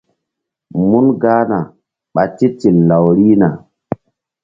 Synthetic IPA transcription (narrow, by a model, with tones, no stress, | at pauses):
mu˦nɡaː˦na˨ | ɓa˨ti˦ti˨lːa˨wɾi˦na˨